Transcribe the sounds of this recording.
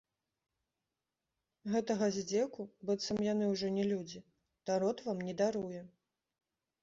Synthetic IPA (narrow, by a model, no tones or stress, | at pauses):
ɣɛt̪ɐɣɐzʲd͡zʲɛkubɨt̪sɐmjanɨwʐɔnʲɛlʲud͡zʲi | t̪aɾɔt̪vamnʲɛd̪aɾujɛ